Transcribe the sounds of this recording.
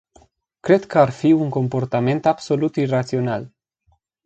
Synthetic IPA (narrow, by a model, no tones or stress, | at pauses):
kɾe̞d̪kəarfiuŋko̞mpo̞rt̪ame̞nt̪abso̞lut̪irat̪sio̞nal